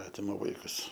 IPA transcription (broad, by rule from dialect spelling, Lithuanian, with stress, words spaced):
ˈɑːtʲɪmɐ ˈʋɐɪkʊs